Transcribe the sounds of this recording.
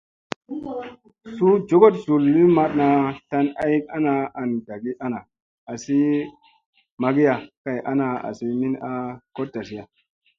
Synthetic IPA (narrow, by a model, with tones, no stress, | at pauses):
su˦d͡ʒo˦ɡo˦tzu˨lːi˦ma˦t̚na˧ta˧na˦ji˦k̚a˦na˧a˨nda˨ɡi˦ʔa˦na˨ | a˨si˦ | ma˨ɡi˦ja˨ka˨jʔa̰˦na˨a̰˨si˦mi˦na˦ko˦t̚da˨si˦ja˨